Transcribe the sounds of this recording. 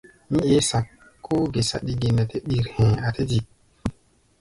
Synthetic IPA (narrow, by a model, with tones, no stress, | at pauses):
mĩ˦e˨˦sa˨ | kʰːo˦ɡe˨sa̰˨ɗi˨ɡe˨na˨te˦ɗi˨ɾhẽ˨a˨te˦ti˨